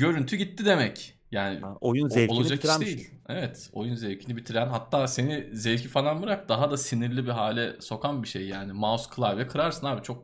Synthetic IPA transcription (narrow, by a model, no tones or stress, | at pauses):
ɟø̞ɾynt̪ʰyɟit̪ʰːid̪e̞mɛc | jaːnɪ̰ojunzeolˠad͡ʒakid̪ejillʲ | evɛt̪o̞̰junzevcʰinibit̪ʰiɾænɦat̪ʰːaːse̞nizevcifalˠanbɯɾak̚d̪aɦad̪asiniɾlʲibiɦaːlʲɛso̞kʰanbiʃejːaːnɪmaskʰɯlˠaɾvɛkʰɯɾaɾsɯnaːbit͡ʃʰo̞k̚